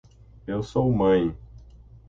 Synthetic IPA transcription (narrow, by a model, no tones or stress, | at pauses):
ewsowmɐ̃j̃